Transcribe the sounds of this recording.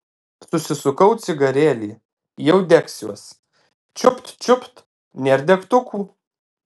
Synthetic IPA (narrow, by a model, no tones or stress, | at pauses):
sʊsʲɪsʊkɐʊt̪sʲɪɡɐɾʲeːlʲiː | jɛʊd̪ʲɛksʲuɔs | t͡ʃʲʊpt̪t͡ʃʲʊpt̪ | nʲɛɾʲd̪ʲɛkt̪ʊkuː